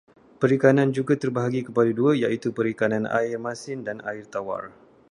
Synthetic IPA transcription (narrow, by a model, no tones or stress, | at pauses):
pəɾikanand͡ʒuɡat̪ərbaɦaɡikəpadaduəjaʔit̪upəɾikanana̰ɪrmãsɪndanaɪrt̪awa̰r